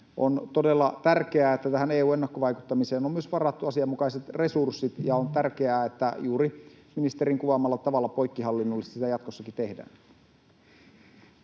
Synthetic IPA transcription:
ʔo̰nt̪odelːɑt̪ærkeæːet̪ːæt̪æhæneːuːenːɑkːoʋɑikut̪ːɑmiseːnomyøsʋɑrɑt̪ːuɑsiɑmːukɑiset̪resursːit̪jɑont̪ærkeæːet̪ːæjuːɾi | minist̪eɾiŋkuʋɑmːɑlːɑt̪ɑʋɑlːɑpoikːiɦɑlːinːolːist̪sit̪æjɑt̪kosːɑkit̪ehdæ̰ːn

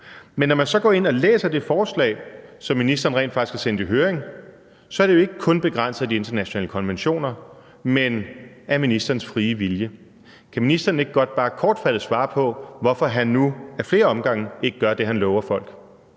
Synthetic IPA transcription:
menːɒmænsɒ̽ɡ̥ɒ̰ːe̝nɒ̽lḛːsɐd̥e̝fɒːslɛ̰ːɪsɒ̽mːinisd̥ɐːn̩ʁɛ̰ndfɑ̈ɡ̥iskʰæsend̥iɦøːɐeŋ | sɒ̽ɐɾe̝jo̝e̝ɡ̥əkʰɔ̽nb̥e̝ɡ̥ʁɑn̰sð̩ˠd̥ie̝nd̥ɐnæɕonɛ̰ːləkʰɒ̽nʋenɕo̝̰ːnɐ | men | æɐminisd̥ɐːn̩sfʁiːəʋiljə | kʰæminisd̥ɐːn̩e̝ɡ̥əɡ̥ɒ̽d̥̚b̥ɑ̈ːkʰɒːd̥fæd̥əsʋɑ̈ːpʰɒ̽ʋɒfɒɦænːuæɐfle̝ːɐɒ̽mɡ̥ɑ̈ŋ̰n̩e̝ɡ̥əɡ̥ɶɐd̥e̝ɦænlɒʊɐfɒ̽l̰ɡ̥

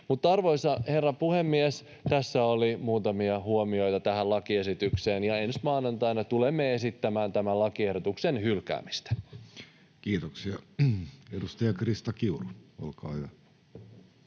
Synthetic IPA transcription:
mut̪ːɑrʋo̞isɑhe̞rːɑpuhemːies | t̪æsːæolimuːt̪ɑmiɑhuomio̞jt̪ɑt̪æɦælɑkie̞sit̪ykse̞ːnjɑe̞nsmɑːnɑnt̪ɑinɑt̪ulemːee̞sit̪ːæmæːnt̪æmælɑkiehdot̪uksenhylkæ̰ːmist̪æ̥ | kiːt̪oksiɑ | edust̪ɑjɑkrist̪ɑkiuruo̰lkɑ̰ːhyʋæ

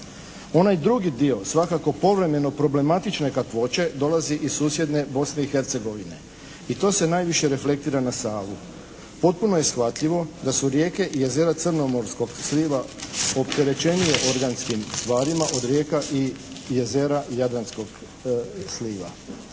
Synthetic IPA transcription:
o̞najd̪ɾuɡid̪io̞sʋakako̞po̞ʋɾe̞me̞no̞pɾo̞ble̞mat̪it͡ʃne̞kat̪ʋo̞t͡ɕe̞d̪o̞laziʔizsuːsje̞d̪ne̞bo̞sne̞ixe̞ɾt̪se̞ɡo̞ʋine̞ | it̪o̞ːse̞naːjʋiʃje̞ɾe̞fle̞k̚t̪iːɾanasaːʋu | po̞t̪̚puno̞je̞sxʋat̪ʎiʋo̞d̪asuɾje̞ːke̞ʔije̞ze̞ɾat̪sɨrno̞mo̞ɾsko̞ɡsliːʋa | o̞pt̪e̞ɾe̞t͡ʃe̞nie̞ʔo̞ɾɡanskimst̪ʋaːɾimaʔo̞d̪ɾje̞ːkaʔi | je̞ze̞ɾajad̪ɾansko̞ɡ | sliːʋa̰

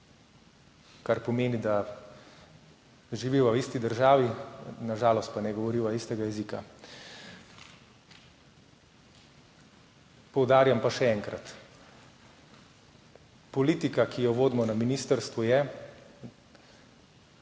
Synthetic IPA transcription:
kaɾpɔmeːnid̪a | ʒiʋiwawist̪id̪əɾʒaːʋinaʒaːlɔst̪̚panɛɡɔʋɔɾiwaist̪ɛɡajɛzika̰ | pɔwd̪aːɾjampaʃɛɛːŋkɾa̰t̪ | pɔliːt̪ikakʰijɔʋoːd̪mɔnaminiːst̪əɾst̪ʋujɛ

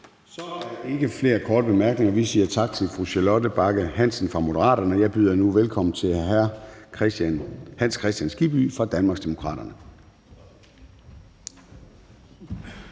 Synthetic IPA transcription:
sɒ̽e̝ɡ̥əfle̝̰ːɐkʰɒ̰ːd̥əb̥e̝mæɐɡ̥ne̝ŋɐʋisiːɐt͡sʰɑ̈ɡ̥̚t͡sʰe̝lfʁuɕelɔdəb̥ɑ̈ɡ̥əhæn̰sn̩fʁɑ̈mo̝ɾəʁɑ̰̈ːɾ̥ɐnəɒjɑ̈ɪb̥yð̰ˠɐnuʋelkʰɒ̽mn̩t͡sʰe̝læɐ | hænskʰʁɛsd̥ænsɡ̥ib̥y̰ːfʁɑ̈d̥ænmɑ̈ɡsd̥emo̝kʰʁɑ̰̈ːɾ̥ɐnə

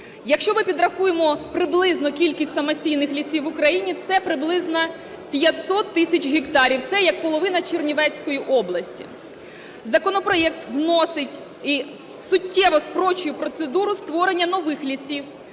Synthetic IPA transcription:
jɐkʃt͡ʃɔmɪpʲid̪ɾɐxujemɔpɾɪblˠɪznɔkʲilʲkʲisʲtʲsɐmɐsʲijnɪxlʲisʲiwʊkɾɐjinʲit̪sɛpɾɪblˠɪznɐ | pʲjɐt̪sɔt̪ːɪsʲɐt͡ʃʲɦʲikt̪ɑɾʲiwt̪sɛjɐk̚pɔlˠɔʋɪnɐt͡ʃirnʲiʋɛt͡sʲsʲkɔjiʔɔblˠɐsʲtʲḭ | zɐkɔnɔpɾɔjɛk̚t̪ʋnɔsɪtʲ | i | sʊtʲːɛʋɔspɾɔt͡ʃʊjʊpɾɔt̪sed̪uɾʊst̪ʋɔɾenʲːɐnɔʋɪxlʲisʲiw

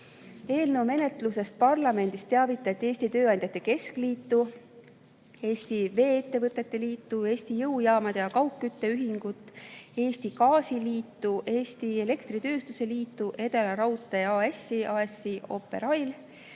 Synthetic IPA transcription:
e̞ːlnəwme̞ne̞t̪ˑluse̞st̪̚pɑrlɑme̞nd̪̥ist̪eɑvit̪ːˑɑt̪ːe̞ːsʲt̪it̪øːɑnd̪jɑt̪ːˑeke̞skliːt̪ːu | e̞ːst̪ive̞ːet̪ːe̞vɤt̪ːˑe̞t̪ːe̞liːt̪ːue̞ːst̪ijɤwjɑːmɑd̪̥ejɑkɑwkːˑyt̪ːe̞yɦiŋɡ̥ut̪ːˑe̞ːst̪ikɑːsiliːt̪ːuʔe̞ːst̪ie̞le̞kt̪rit̪ø̞ːst̪use̞liːt̪ːuʔe̞t̪elɑɾɑwt̪ːˑeɑːesiʔɑːesiʔo̞̰pːˑe̞̰ɾɑjl

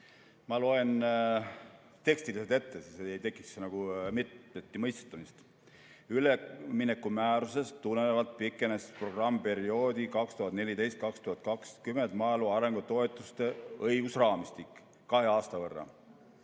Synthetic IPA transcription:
mɑlo̞e̞n | t̪e̞kst̪iliselt̪e̞t̪ːesiseejt̪e̞kːˑiksenɑɡ̥umit̪ːet̪ːimɤjst̪e̥t̪ːˑumist̪ | yleminekːˑumæːɾuse̞st̪ːunːenevɑlt̪̚pikːˑe̞nespro̞ɡ̥rɑmːpe̞ɾio̞ːd̪̥ikɑkst̪uhɑt̪ne̞lit̪e̞jst̪̚kɑkst̪uhɑt̪̚ˑkɑkskyment̪mɑeluɑɾe̞ŋɡ̥ut̪o̞e̞t̪ːˑust̪e̞ɤjɡ̥usrɑːmist̪ikː | ɑɦe̞ɑːst̪ɑvɤrːɑ̰

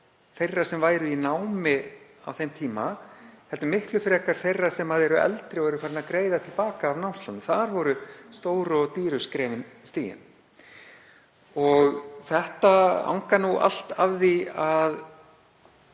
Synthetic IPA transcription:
θejrːḁsɛmvaːjɾʏinawmɪ | a̰wθejmt̪ʰiːmahɛlt̪ʏmɪhklʏfɾɛːkaɾ̥θejrːḁsɛmaðɛɾʏɛ̰lt̪ɾɪɔɣɛɾʏfaːɾɪnakɾeːjðat̪ʰɪlpaːkaːvnawmst̪lawnmθaɾvɔɾʏst̪oːwɾɔt̪iːɾʏskɾɛːmɪnst̪iːjɪ̰n | ɔɣθɛht̪aa̰wŋkanua̰l̥t̪avðiað

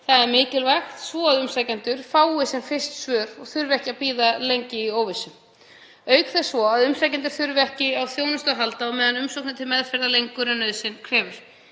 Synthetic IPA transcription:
θaðɛɾmɪːcɪlvaxt̪svɔaðʏmsajcant̪ʏɾ̥faːwɪsɛmfɪst̪svœːɾɔɣθʏɾvɛhcɪapiːðalejɲcɪioːwvɪsʏm | œːɥkθɛsvɔaðʏmsajcɛnt̪̬ʏ̥ɾ̥θʏɾvɪɛhcɪawθjoːwnʏst̪ɔɣɦalt̪aɔwmɛːðanʏmsowknʏt̪ʰɪlmɛðfɛɾðalejŋkʏɾʏnœːðsɪnkʰɾɛːvʏɾ̥

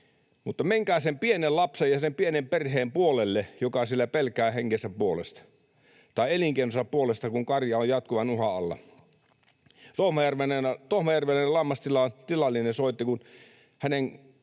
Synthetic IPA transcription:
mut̪ːɑmeŋkæːsempienellɑpsejɑsempienemperheːmpuolelːejokɑsielːæpelkæːheŋːesːæpuolḛst̪ɑ̥ | t̪ɑˑeeliŋkeˑinosɑpuolest̪ɑkuŋkɑrjɑojɑt̪̚kuʋɑnuhɑɑlːɑ̰ | t̪ohmɑjærʋenent̪ohmɑjærʋelːnelɑmːɑst̪ilɑt̪ilɑlːinesoˑit̪ːikun | hænen

